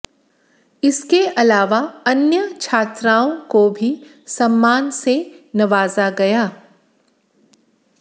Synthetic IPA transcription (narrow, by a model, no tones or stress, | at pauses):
ɪskeʔɐlaːʋaɐnjət͡ʃʰaːt̪ɾaːõkobʱi | sɐmːaːnsenɐʋaːzaɡɐjaː